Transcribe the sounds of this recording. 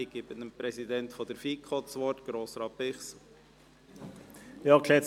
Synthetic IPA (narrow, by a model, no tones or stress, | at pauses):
iɡ̥ebənəmpɾɛsid̪ɛntfɔd̥ɛɾfiːkʰχɔtsʋɔtɡ̥ɾoːsɾɑːpɪχs | jɑkʰlɛ